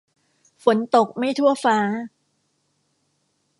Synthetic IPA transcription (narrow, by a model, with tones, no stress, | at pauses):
fo˩˦nt̪o˨˩k̚ma˥˩jt̪ʰu˥˩ɐfaː˦˥